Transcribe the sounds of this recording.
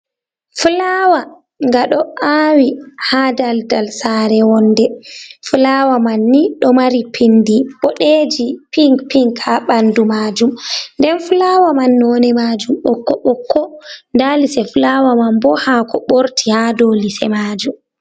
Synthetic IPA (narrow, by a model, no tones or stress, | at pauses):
fulawa | ŋɡaɗɔʔaːwihadaldalsaːɾɛwɔnːdɛfulawamanːiɗɔmaɾipʰindiɓɔɗeːd͡ʒipiŋpiŋkhaɓandumad͡ʒumndɛnfulawamanːɔnɛmad͡ʒumɓɔkːɔɓɔkːɔndaːlisɛfulawamambɔhakʰɔɓoɾtʰihadolisɛ̰maːd͡ʒum